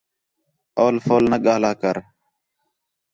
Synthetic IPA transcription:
oːlfoːlnəɠaːlaːkəɾ

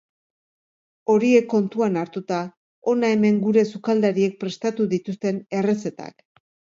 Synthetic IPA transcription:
o̞ɾie̞kːo̞nt̪uanaɾt̪ut̪a | o̞nae̞me̞ŋɡuɾe̞sukald̪aɾie̞k̚pɾe̞st̪at̪uðit̪ust̪e̞ne̞re̞se̞t̪a̰k

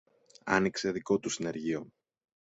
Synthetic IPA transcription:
ɐ̰nikse̞ðiko̞t̪usine̞ɾʝio

